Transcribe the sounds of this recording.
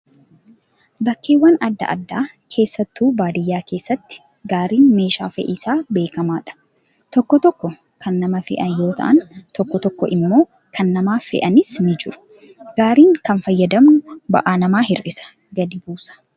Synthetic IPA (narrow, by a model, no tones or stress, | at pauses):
bɐkːeːwːɐnɐd̪ːɐ̰ʔɐ̰d̪ːaː | kʰe̞ːsːɐt̪ːuːbaːd̪ɪjːaːke̞ːsːɐt̪ːɪ̥ | ɡaːɾiːnme̞ːʃaːfɛ̰ʔɪsaːbe̞ːkɐmaːᶑɐ̥ | t̪ɔkːɔt̪ɔkːɔ | kʰɐnːɐmɐfɛ̰ʔɐnjo̞ːt̪ʰɐ̰ʔɐnt̪ɔkːɔt̪ɔkːɔʔɪmːo̞ː | kʰɐnːɐmaːfɛ̰ʔɐnɪsnɪd͡ʒɪɾʊ̥ | ɡ̥aːɾiːŋkɐnfɐjːɐd̪ɐmʊbɐ̰ʔaːnɐmaːɦɪrɪsɐ̥ | ɡɐd̪ɪbuːsɐ̥